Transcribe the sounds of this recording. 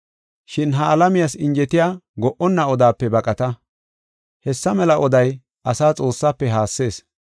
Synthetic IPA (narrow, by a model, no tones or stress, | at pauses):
ʃɪnɦɐːlɐmɪjasɪnd͡ʒɛt̪ɪjaːɡɔʔɔnːɐɔd̪aːpːɛbɐkʼɐt̪ɐ | hɛsːɐmɛlɐʔɔd̪ɐj | ɐsaːt͡sʼo̞ːsːaːpːɛɦaːsːe̞ːs